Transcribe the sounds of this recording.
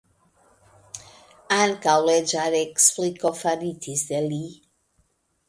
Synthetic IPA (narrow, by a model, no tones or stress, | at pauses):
ãnkalɛd͡ʒaɾɛksplikɔfanitʰisdɛli